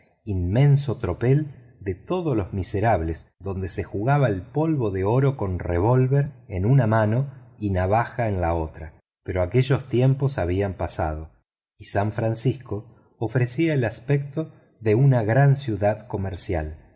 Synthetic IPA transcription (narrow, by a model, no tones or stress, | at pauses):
immẽ̞nso̞t̪ɾo̞pel | d̪et̪o̞ðolozmiseɾaβlezðond̪e̞sexuɣaβaelpo̞lβo̞ðeo̞ɾo̞ko̞nreβ̞o̞lβeɾenunamano̞inaβ̞axaenlao̞t̪ɾa | peɾo̞ake̞ʒost̪je̞mpo̞saβ̞iampasa̰ð̞o̞ | isaɱfɾansisko̞ː | fɾesiaelaspek̚t̪o̞ | ðeunaɣɾansjuðaðko̞meɾsja̰l